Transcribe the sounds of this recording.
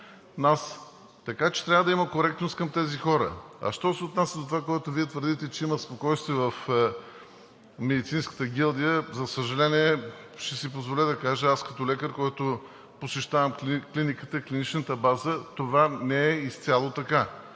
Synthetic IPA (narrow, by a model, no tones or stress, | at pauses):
nas | t̪ɐkat͡ʃɛ̥t̪ɾʲavəd̪ɐimɐkoɾɛk̚t̪nost̪kɐmt̪ɛzixɔɾə̰ɐ̰ʃt̪ɔsɛot̪nasʲɐd̪ot̪ovakoɔɛt̪ʊviɛt̪vəɾd̪it̪ɛt͡ʃɛiməspokɔjst̪viəvɐf | mɛd̪it̪sinskə̥t̪əɡʲilˠd̪ijəzɐsəʒɐlɛniɛ | ʃt̪ɛsipozvolɛd̪ɐkaʒəaskɐ̥t̪ɔlɛkəɾkɔjt̪ʊ | posɛʃt̪avəmklinikət̪əiklʲinit͡ʃnət̪əbazət̪ovanɛɛist̪sʲalˠot̪ɐka